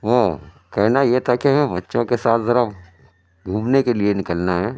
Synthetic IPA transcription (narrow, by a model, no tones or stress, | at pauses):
ʋoː | kɛɦnajet̪ʰakeɦɐmɛ̃bɐtːʃõkesaːt̪ʰzɐɾa | ɡʱuːmnekelienɪkəlnaɦɛː